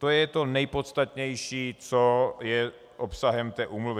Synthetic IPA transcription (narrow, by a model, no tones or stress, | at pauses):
t̪ojɛt̪o̞nɛjpot̪st̪at̪ɲɛjʃiːt͡sojɛ | ʔopsaɦɛmt̪ɛːʔuːmluvɪ